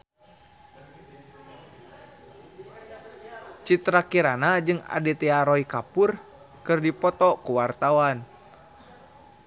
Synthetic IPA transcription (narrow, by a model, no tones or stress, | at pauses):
t͡ʃit̪ɾakiɾanad͡ʒɨŋa̰dɛt̪ɛaɾɔikapur | kɨrdipɔt̪ɔkuwart̪awan